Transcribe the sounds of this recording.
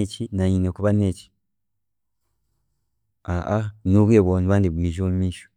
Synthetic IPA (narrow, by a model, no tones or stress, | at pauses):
et͡ʃinaɲinekuβanet͡ʃi̥ | aanuβeβoniβaːndibwiːʒomuiːʃo̥